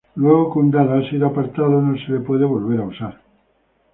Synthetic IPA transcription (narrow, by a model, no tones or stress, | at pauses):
lweɣ̞okund̪aðaasiðoapaɾt̪aðonoselepweðeβo̞lβ̞eɾausaɾ